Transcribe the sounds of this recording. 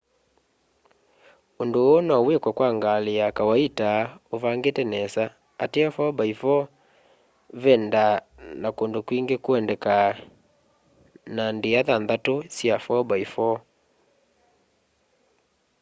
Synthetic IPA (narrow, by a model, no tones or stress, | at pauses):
ondoːnɔwekwakwaŋɡaleakawaitaovaŋɡetɛnɛsa | ateafɔbaifɔ | βɛnda | nakondokwiŋɡekoɛndɛka | nandeaðanðatosjafɔbaifɔ